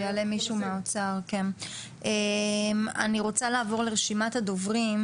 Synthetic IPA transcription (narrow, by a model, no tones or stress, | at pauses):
ale̞miʃumeot͡saʁke̞n | ema̰niʁo̞t͡salaːvo̞ʁleʁeʃimat̪had̪ovʁim